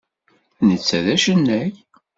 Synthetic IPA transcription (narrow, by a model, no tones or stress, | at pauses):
nət͡sːæðæʃənːæç